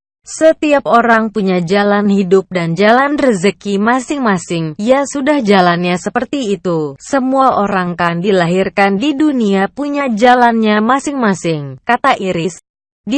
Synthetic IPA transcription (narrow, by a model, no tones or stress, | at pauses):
sət̪iap̚oɾaŋpuɲad͡ʒalanhidʊp̚dand͡ʒalanrəzəkimasɪŋmasɪŋijasudahd͡ʒalanɲasəpərt̪iːt̪usəmuaʔoɾaŋkandilaɦirkandiduniapuɲad͡ʒalanɲamasɪŋmasɪŋkat̪aʔiɾɪs | di